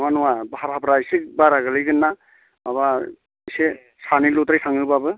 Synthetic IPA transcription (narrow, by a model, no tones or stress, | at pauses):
nɔwanɔwabaɦaɾhapɾajsik̚baɾaɡɯlɯjɡɯnːa | aβa | jse | sanilutɾajsaŋɯbabɯ